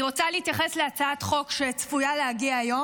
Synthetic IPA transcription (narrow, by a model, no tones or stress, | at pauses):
iʁo̞t͡salehit̪jaχe̞sleat͡saatχo̞kʃeit͡sfujaleaɡiaːjo̞